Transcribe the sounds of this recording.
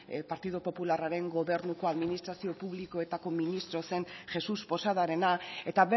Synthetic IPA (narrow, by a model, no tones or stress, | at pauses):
paɾt̪iðupo̞pularaɾe̞ŋɡo̞βe̞ɾnuko̞aðminist̪ɾasio̞puβliko̞et̪ako̞minist̪ɾo̞se̞nʝe̞suspo̞saðaɾe̞nae̞t̪aβe